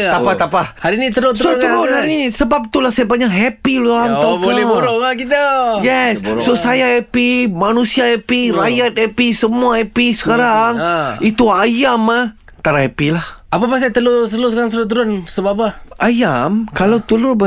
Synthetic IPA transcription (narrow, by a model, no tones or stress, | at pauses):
apat̪apahaɾinit̪əɾotsuɾʊt̪əɾʊnhaɾinisəbap̚t̪ulahsajapaɲaʔɦɛpiluamabolɛboɾɔʔŋakit̪əjɛssosajahɛpimanũsiahɛpiɾajjat̪̚hɛpisəmuahɛpisə̥kaɾaŋit̪uajama | t̪aɾaɦɛpilahapapas̬ajt̪əlusəlusəkaɾaŋs̬əɾʊt̪əɾʊnsəbap̬aajamkalawt̪əlʊbə